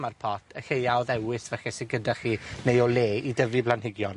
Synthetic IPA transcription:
marpʰɔtʰəɬejawðɛwɪθvɛxɛseɡədaχiːnejɔleːidəviblˠanɦɪɡjɔn

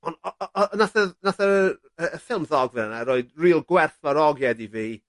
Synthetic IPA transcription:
ɔnɔnaθəðnaθəə | əəfɪlˠmðɔɡvənanaɾoːɨdriːlˠɡwɛrθvaɾɔɡjɛdiviː

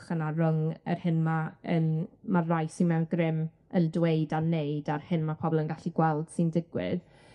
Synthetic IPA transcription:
χənarəŋə̰rhɪnmaənmarajsɪnmɛwnɡrɪm | əndweɨdanejdarhɪnmapʰɔbɔlˠənɡaɬiɡwɛlˠd̥sɪndɪɡwɪ̰ð̥

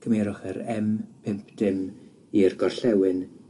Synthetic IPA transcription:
kʰəmeːɾʊχəɾɛmpʰɪmpʰd̥ɪm | irɡɔrɬɛwɨn

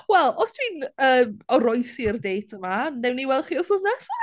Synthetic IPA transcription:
wɛlˠɔstʰwinəːmɔɾɔjθirdejtʰəmanɛwniwɛlˠχiːɔsoðnɛsa

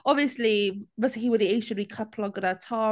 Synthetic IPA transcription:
ɔbviəslivəsɪkiwəðieɪʃə̃nwikʰapʰlɔɡəɾatʰaː

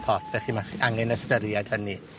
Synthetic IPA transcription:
pʰɔtʰvɛχimaχʔaŋɛnəstəɾjad̥həni

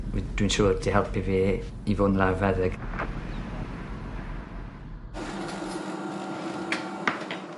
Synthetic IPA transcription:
ḭd̥winʃuːrdiɦɛlˠpʰiveː | ivʊnlavɛðɪɡ̥

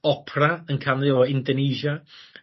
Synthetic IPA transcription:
ɔpʰraənkʰanðɪɔɪndɔneːʒa

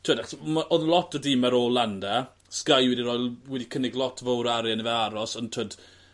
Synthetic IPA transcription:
tʰwəːdaχsmaʔɔðlˠɔtʰədɪmɛɾoːlˠandɛ | skajwɛdiɾɔːjlwɛdikʰənɪɡlˠɔtʰvowɾaɾjanivɛaɾɔsəntʰwəd

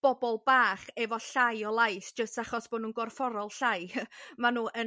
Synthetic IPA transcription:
b̥ɔbɔlˠbaːχɛvɔɬajɔlˠajθd͡ʒəstaχɔsb̥ɔdnuːnɡɔrfɔɾɔlˠɬajmanuːʔə

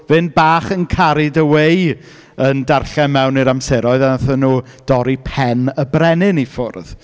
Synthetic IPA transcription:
vɨnbaːχənkʰaɾɪdəweɨ | əndarɬɛmɛwniɾamsɛɾɔɨðaθənuː | d̥ɔɾipʰɛnəbrɛnɪnifʊ̰rð

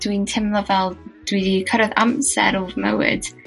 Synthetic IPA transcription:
d̥wintʰɪmlˠɔvɛlˠd̥wiðikʰəɾəðamsɛ̰ɾuvmɛ̰wɪ̰d̥

